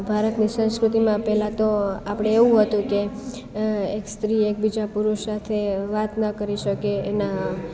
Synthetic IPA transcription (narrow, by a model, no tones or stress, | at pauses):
bʱaɾət̪nisə̃w̃skɾut̪imãpɛlãt̪oapɽ̃eeʋũɦət̪ũke | ekst̪ɾiek̚bid͡ʒapuɾosat̪ʰeʋat̪nəkəɾiʃəkeːna